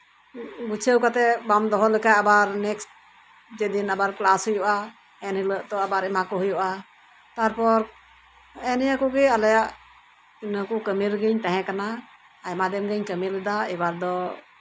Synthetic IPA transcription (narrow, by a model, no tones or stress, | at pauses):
but͡ʃʰəwkat̪ɛbamd̪ɔɦɔlɛkajabaɾnɛksʈ̚ | d͡ʒɛd̪inabaɾklashɔjuʔa | ɛnhiləʔt̪ɔabaɾɛmakɔɦɔjɔʔa | t̪aɾpɔɾ | ɛnɛjakɔɡɛalajaʔ | inəkɔkəmiɾɡəɲt̪aɦɛ̃kanaː | jmad̪ɛmɡəɲkəmilɛd̪aɛbaɾd̪ɔ